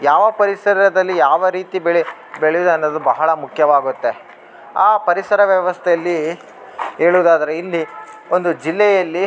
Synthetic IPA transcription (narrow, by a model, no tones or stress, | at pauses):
jaːʋɐpɐɾisɐɾɐd̪ɐlːijaːʋɐɾiːt̪ibeɭi | beɭejud̪uɐnːod̪ubɐɦɐɭɐmukʰjɐʋaːɡut̪ːe̞ | aːpɐɾisɐɾɐʋjɐʋɐst̪ʰejɐlːi | ɦeːɭuːd̪aːd̪ɐɾeilːi | o̞nd̪ud͡ʒilːɛjɐlːi